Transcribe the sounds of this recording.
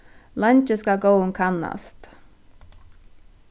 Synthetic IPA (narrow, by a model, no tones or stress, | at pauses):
lant͡ʃəskaɡoʊɪnkʰanːa̰st̪